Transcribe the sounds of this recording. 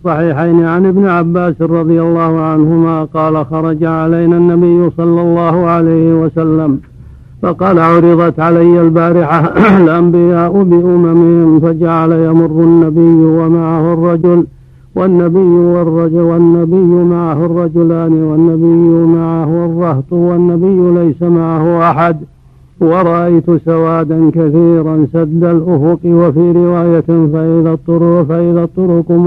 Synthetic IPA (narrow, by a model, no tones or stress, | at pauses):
sˤːɑħiːħajnɪʕanʔɪbnɪʕabːaːsrˤɑd̪ˤɪjalːɑːhʊʕanhʊmaːqɑːlaxɑɾˤɑd͡ʒaʕalajnanːabɪjːʊsˤɑlːɑlːɑːhʊʕalajhɪwasalːam | fɑqɑːlaʕʊɾɪðˤɑt̪ʕalajːalbaːɾɪħaalʔambɪjaːʔʊbɪʔʊmamɪhɪmfad͡ʒaʕalajamʊrːʊnːabɪjːwamaʕahʊrˤːɑd͡ʒʊl | wanːabɪjːʊwrˤːɑwanːabɪjːʊmaʕahʊrˤːɑd͡ʒʊlaːnɪwanːabɪjːʊmaʕahʊrˤːɑht̪ˤwanːabɪjːʊlajsamaʕahʊʔaħad̪ | wɑɾˤɑʔajt̪ʊsawaːd̪ankaθiːɾansad̪ːalʔʊfʊqɪwafiːɾɪwaːjafaʔɪðat̪ˤːʊɾfaʔɪðat̪ˤːʊɾʊq